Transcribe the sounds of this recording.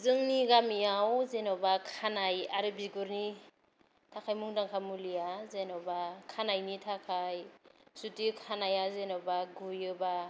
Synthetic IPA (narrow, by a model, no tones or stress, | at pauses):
zɯŋniɡamiawzenɔbakʰanajaɾɯbiɡuɾni | tʰakʰajmuŋdaŋkʰamulijazenɔbakʰanajnitʰakʰajsutikʰanajazenɔbaɡujɯba